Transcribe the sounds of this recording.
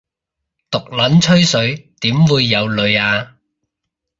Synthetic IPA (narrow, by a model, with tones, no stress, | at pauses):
t̪ʊ˨k̚lɐ˨˥nt͡ʃʰɵ˥ɥsɵ˨˥ɥt̪iː˨˥mwuː˨˧jːɐ˨˧wlɵ˨˧ɥaː˧